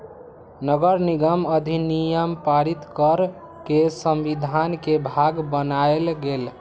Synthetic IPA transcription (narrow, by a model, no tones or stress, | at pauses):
nəɡəɾniɡəməd̪ʱinijəmpaɾit̪kəɾ | kesəmʋid̪ʱankebʱaɡbənaelɡel